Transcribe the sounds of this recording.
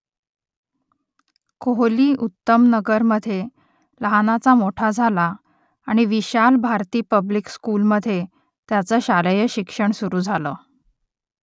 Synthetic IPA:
koɦliːʔut̪ːəmnəɡəɾməd̪ʱːje | ləɦanat͡samoʈʰad͡zʱalaː | ɽ̃iʋiɕalbʱaɾt̪iːpəblikskuːlməd̪ʱːje | t̪jat͡səːɕaləjəɕikʂəɳsuɾuːd͡zʱaləː

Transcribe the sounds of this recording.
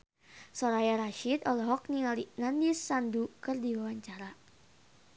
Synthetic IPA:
sɔɾajaɾaʃid̪ɔlɔɦɔk̚niŋalinandisːandukərdiwawaɲt͡ʃaɾa

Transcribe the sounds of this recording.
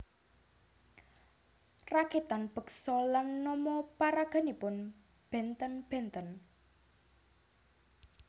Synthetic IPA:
raket̪anb̥ə̤ksɔlanːɔmɔpaɾaɡ̥a̤nipʊn | b̥ɛ̤nt̪ənb̥ɛ̤nt̪ən

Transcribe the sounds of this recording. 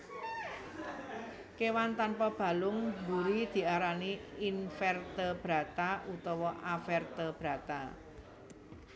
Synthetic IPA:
kewant̪anpɔb̥ä̤lʊŋbuɾid̪̥i̤aɾaniinfɛrt̪əb̥ɾa̤t̪aʔut̪ɔwɔʔafɛrt̪əb̥ɾa̤t̪a̰

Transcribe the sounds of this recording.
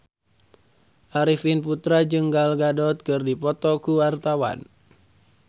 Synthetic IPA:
ʔaɾifinput̪ɾad͡ʒɨŋɡalɡadɔt̪̚kɨrdipɔt̪ɔkuwart̪awa̰n

